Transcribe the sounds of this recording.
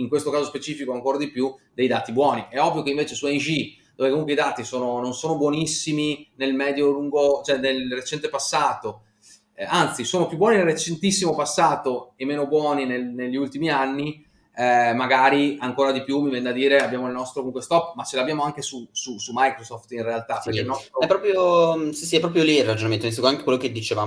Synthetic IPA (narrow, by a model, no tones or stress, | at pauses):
iŋkwest̪okaːzospet͡ʃiːfikoaŋkoːɾad̪ipjud̪ejd̪aːt̪ibwɔːniʔɛɔvːjokeiɱveːt͡ʃesuɛnd͡ʒi | d̪oːvekomuŋkweid̪aːt̪isoːnononsoːnobwɔnisːiminelmɛːd̪joluŋɡot͡ʃoɛnelret͡ʃɛnt̪epasːaːt̪o | ant̪sisoːnopjubːwɔːninelret͡ʃent̪isːimopasːaːt̪oemːeːnobwɔːninelneʎːiult̪imianːi | ɛmaɡaːɾiaŋkoːɾad̪ipjumːivɛnːd̪ad̪iːɾeabːjaːmoilnɔst̪ɾokomuŋkwest̪ɔpːmat͡ʃelabːjaːmoaŋkesususumajkɾosɔft̪inrealt̪apeɾkeilnɔst̪ɾoɛpːɾɔːpɾjosisiɛpːɾɔːpɾjoliirːad͡ʒonament̪oinsikuɾament̪ekwelːoked̪ːit͡ʃeva